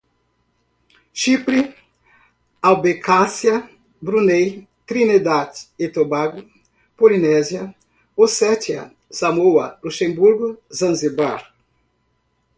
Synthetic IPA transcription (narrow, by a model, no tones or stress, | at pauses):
ʃipɾi | awbekʰasjɐ | bɾunej | t̪ɾinid̪atet̪obaɡʊ | polinɛzjɐ | osɛtjɐ̰ | samowɐluʃẽmbuɾɡʊzɐ̃nzebaɾ